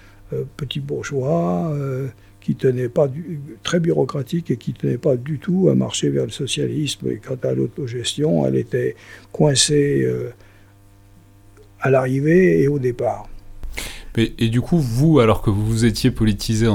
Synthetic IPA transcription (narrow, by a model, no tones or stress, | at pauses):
øpət̪ibuʁʒwaø | kʲit̪ənɛpad̪yt̪χɛbyʁɔkχat̪ikekʲit̪ənɛpad̪yt̪ua̰ma̰ʁʃevɛʁləsɔsja̰lismḛkɑ̃t̪alo̰t̪oʒɛst̪jɔ̃ɛ̰lḛt̪ɛkwɛ̃seø | alaʁiveːod̪epaːʁ | mɛːd̪ykʰuvualɔʁkəvuvuzet̪jepɔlit̪ʰizẽ